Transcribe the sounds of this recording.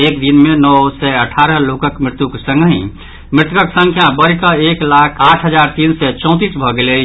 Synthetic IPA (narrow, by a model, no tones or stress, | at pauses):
ek̚d̪inmenɔsɛəʈʰaɾəɦlokəkmɾɪt̪jukesə̃ŋɡɦĩ | mɾɪt̪uəksə̃ŋkʰjabəɾkəeklakʰaʈʰɦəd͡ʒaɾt̪iːnsɛt͡ʃɔ̃ʊ̃t̪̬isbʱɔɡele